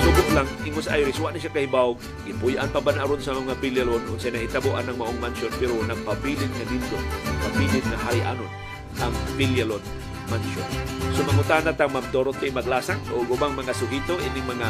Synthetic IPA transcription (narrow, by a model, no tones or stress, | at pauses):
t̪ʊɡʊt̪laŋɪŋʊsa̰jɾɪswaʔnaʃakahɪbaʊɡ̚ | ɡɪpujʔa̰npabanʔaɾonsɐmoŋabiljalonʊnsajnɐhɪt̪aboʔanɐŋmaʔoŋmanʃonpɛɾonaɡ̚pabiːlɪnŋanind̪opabiːlɪd̪̚ŋahaɾɪʔa̰no | ʔaŋbiljalod̪ | manʃonsomamʊt̪aːnat̪aŋmamt̪oɾot̪ɪmaɡlaːsaŋoɡʊbaŋmɐŋasʊɡit̪oʔɪnɪŋmɐŋa